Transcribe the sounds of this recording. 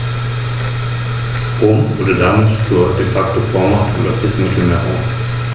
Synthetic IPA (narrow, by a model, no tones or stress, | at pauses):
ʁoːmvʊɐdədaːmɪtt͡suːɐdefak̚tofɔɐmɐfɔnʁasɪsmʊsɪmɛʁʊ̰ŋ